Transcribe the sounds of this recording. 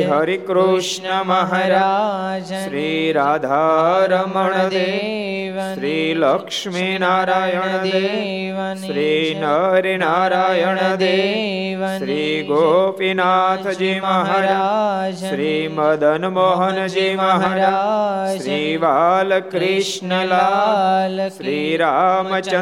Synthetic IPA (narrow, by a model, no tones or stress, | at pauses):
ɦɐɾikɾuʂɳɐmɐɦɐɾɐ | ʃɾiːɾaːd̪ʱaːɾɐmɐɳɐd̪eː | ʃɾiːlɐkʂminaːɾaːjɐɳɐd̪eː | ʃɾiːnɐɾinaːɾaːjəɳɐd̪eːʃɾiːɡopinaːt̪ʰɐd͡ʒeːmɐɦɐn | ʃɾiːmɐd̪ʱɐnmɔɦɐnd͡ʒeːmɐɦa | ʃɾiːʋaːlkɾiʃnɐlaː | sɾiːɾaːmɐt͡ʃɐ